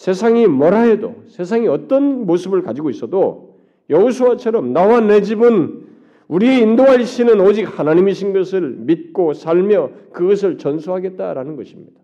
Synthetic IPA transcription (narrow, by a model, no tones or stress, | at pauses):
sʰe̞sʰaŋimʌɾajʌdo̰sʰe̞s̬ʰaŋiʌt͈ʌnmosʰɯbɯɭkad͡ʑiɡois͈ʌdo | jʌusʰoat͡ɕʰʌɾʌmnawaned͡ʑibɯn | uɾieindoɦaɭɕʰinɯnod͡ʑik̚hanaɲimiɕʰinɡʌsʰɯɭmit̚k͈osʰaɭmjʌkɯɡʌs̬ʰɯɭt͡ɕʌnsʰuɦaɡe̞t̚t͈a̰ɾanɯnɡʌɕʰimɲid̥a